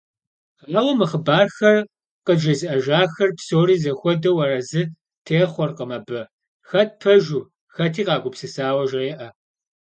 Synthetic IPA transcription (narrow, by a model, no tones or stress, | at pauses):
aːwɐmɨχəbaːrxɐr | qəd͡ʒɐzɨʔɐʒaːxɐrpsoːriːzɐxʷɔdɐwɐrɐzɨ | tʰeːχʷɔrqəmɐbɐ | xɐt̚pʰɐʒuː | xɐtʰiːqɑːɡʷʊpsɨsaːwɐʒreːʔɐ